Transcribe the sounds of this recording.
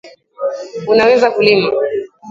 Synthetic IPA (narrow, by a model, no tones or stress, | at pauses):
unawɛzakulima